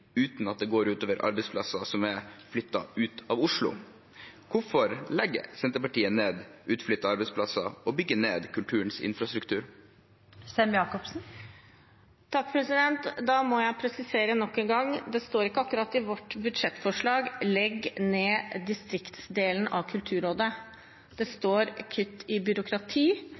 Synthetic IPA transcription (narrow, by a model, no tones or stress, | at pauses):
ʉːt̪nɑt̪̚d̪ɛɡoːɾʉːt̪oːʋəɾʔɑ̰ɾbɛɪspʰlɑsɑsɔmæɾflʏt̪ːɑ̰ʉːt̪ɑʋʊʂlʊ̰ | kʊfɔɾlɛɡːə̰sɛnt̪əpɑʈiːəneːd̪ʔʉːt̪flʏt̪ːɑɑɾbɛɪspʰlɑsɑɔbʏɡːəneːd̪kʰʉlt̪ʰʉːɾənsɪ̰nfɾɑst̪ɾʉkt̪ʰʉːɾ | sɛmjɑːkɔpsn̩ | t̪ʰɑkːpʰɾɛsɪd̪ɛnt̪d̪ɑmɔjæɪpʰɾɛsɪseːɾənɔkːɛŋɡɑŋd̪ɛst̪oːɾɪkːəɑkːɾɑt̪ːɪʋɔʈːbʉd̪ʂɛt̪ːfɔʂɭɑːɡlɛɡːneːd̪ɪst̪ɾɪkt̪sd̪eːln̩ʔɑʋkʰʉlt̪ʰʉːɾoːd̪ə | d̪̥ɛst̪oːɾkʰʏt̪ːɪbʏɾʊkʰɾɑt̪ʰiː